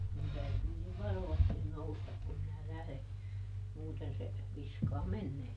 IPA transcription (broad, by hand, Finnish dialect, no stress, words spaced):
mun tæytyː nyʋ ʋɑroʋɑstin noustɑk kum minæ læhðe muːten se ʋiskɑː menːeː